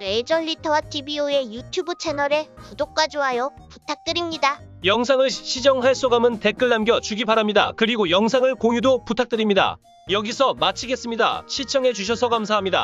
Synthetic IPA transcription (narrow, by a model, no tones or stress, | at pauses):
ed͡ʑʌnːitʰʌwatʰibioe̞jutʰjubɯt͡ɕʰe̞nʌɾe̞pudok̚k͈wad͡ʑoɦajʌputʰak̚t͈ɯɾimɲidajʌŋsʰaŋɯɭɕʰid͡ʑʌŋɦaɭs͈oɡamɯnte̞k͈ɯɭːamɡjʌt͡ɕuɡibaɾamɲida̰kɯɾiɡojʌŋsʰaŋɯɭkojudoputʰak̚t͈ɯɾimɲida̰ | jʌɡisʰʌmat͡ɕʰiɡe̞s͈ɯmɲida̰ɕʰit͡ɕʰʌŋɦe̞d͡ʑuɕ̬ʰʌsʰʌkamsʰaɦamɲida̰